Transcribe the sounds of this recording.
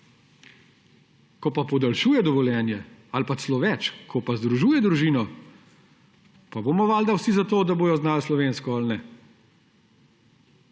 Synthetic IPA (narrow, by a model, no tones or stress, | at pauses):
kɔpapɔd̪alʃuːjɛd̪ɔʋɔljɛːnjɛalpaslɔʋɛt͡ʃkʰɔpazd̪ɾuʒuːjɛd̪ɾuʒiːnɔ | pabomɔʋaːld̪awsizat̪oːd̪aboːjɔznaːlslɔʋeːnskɔalnɛ